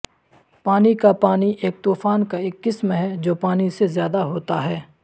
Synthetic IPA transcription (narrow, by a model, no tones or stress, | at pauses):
paːnikapaːniʔeːk̚t̪uːfaːnkaɪkːɪsmɦɛd͡ʒoːpaːnisezjaːd̪aɦoːt̪aɦɛː